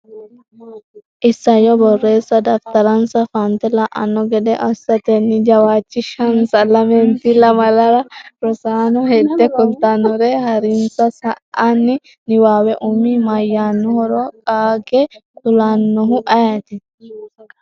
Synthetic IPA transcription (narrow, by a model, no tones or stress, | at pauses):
ʔɪsːɐjɔbɔrːeːsːɐd̪ɐft̪ɐɾɐnsɐfant̪ɛlɐʔɐ̰nːɔɡɛᶑ̪ɛʔɐsːɐt̪ɛnːɪd͡ʒɐwaːt͡ʃːɪʃɐnsɐlɐmɛnt̪ilɐmɐlɐɾɐɾɔsaːnɔhed̪ːɛkʊlt̪ɐnːɔɾehɐɾɪnsɐsɐʔanːɪ | nɪwaːwɛʔʊmimɐjːaːnːɔhɔɾɔkʼaːɡɛkʊlaːnːɔɦʊʔɐjɐt̪ɪ